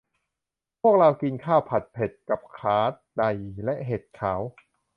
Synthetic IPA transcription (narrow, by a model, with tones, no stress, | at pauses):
pʰu˥˩ək̚ɾa˧wki˧nkʰaː˥˩wpʰa˨˩t̪̚pʰe˨˩t̪̚ka˨˩p̚kʰaː˦˥t̪̚da˨˩jlɛ˦˥ʔɦeː˨˩t̪̚kʰaː˩˦w